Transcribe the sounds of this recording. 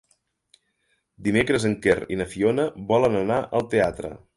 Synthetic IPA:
d̪imekɾəzəŋkerinəfionəβɔlənənaʔəlˠt̪eat̪ɾə̰

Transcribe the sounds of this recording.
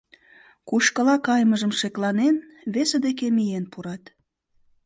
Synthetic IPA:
kuʃkəlɑkɑjməʒəmʃeklɑnen | βesed̪ekemijenpuɾɑt̪

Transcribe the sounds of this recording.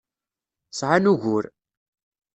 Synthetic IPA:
sʕanuʝʊɾ

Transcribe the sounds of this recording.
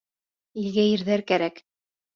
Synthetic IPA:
ilɡæjɘ̆ɾðæɾkæɾæk

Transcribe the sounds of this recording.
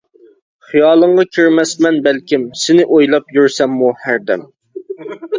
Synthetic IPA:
χijɑːlˠəɴʁɑkʲʰiɾmɛsmɛnbɛlkʲimsɪnɪʔojlˠɑpjyɾsɛmːuhæɾd̪ɛ̰m

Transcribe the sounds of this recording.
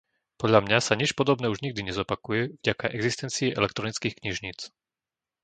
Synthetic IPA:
pɔdʎamɲasaɲit͡ʃpɔd̪ɔbnɛːuʒɲiɡ̚d̪iɲɛzɔpakujɛvɟakaʔɛɡzist̪ɛnt͡siɛʔɛlɛk̚t̪ɾɔnit͡skiːxkɲiʒɲiːt͡s

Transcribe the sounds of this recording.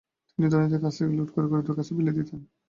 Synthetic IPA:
t̪inid̪aɾnit̪̬ekat͡ɕʰeɡuluʈkoɾekoɾed̪oɾkat͡ɕʰebiled̪it̪ʰen

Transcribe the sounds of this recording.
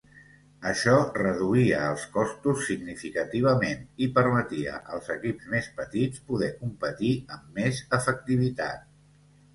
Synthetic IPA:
əʃɔrəðuiəəlˠskɔst̪usːiɡnifikət̪iβ̞əmenipəɾmət̪iə̰ʔəlˠzəkipzmespət̪it͡spuðɛkumpət̪iəmːezəfək̚t̪iβ̞it̪a̰t̪̚

